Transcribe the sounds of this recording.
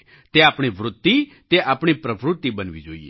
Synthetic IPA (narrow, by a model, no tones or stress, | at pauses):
t̪eaːpɳ̃iʋɾʊt̪ːi | t̪eaːpɳ̃ipɾəʋɾʊt̪ːibənʋḭd͡ʒo̰ːḭ